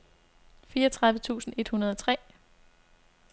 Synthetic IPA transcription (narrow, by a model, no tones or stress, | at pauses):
fiːɐɒt͡sʰʁɑ̈ðˠʋət͡sʰṵːsn̩e̝d̥hunɐð̞ˠɒ̽t͡sʰʁɛ̰ː